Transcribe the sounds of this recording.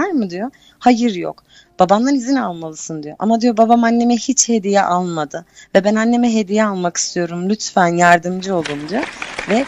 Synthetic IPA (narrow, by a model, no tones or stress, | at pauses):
aɾmɯd̪ijo | hajɯɾjo̰k | b̥abanlˠanizinalˠmalˠɯsɯnd̪ijo̞̰ʔa̰mad̪ijo̞babamanːe̞mɛhit͡ʃhe̞d̪ijɛʔalˠmad̪ɯvɛbænanːe̞mɛɦe̞d̪ijɛalˠmaki̥st̪ʰijo̞ɾumlʲyt̪fænjaɾd̪ɯmd͡ʒɯo̞lˠd̪umd̪ijovɛ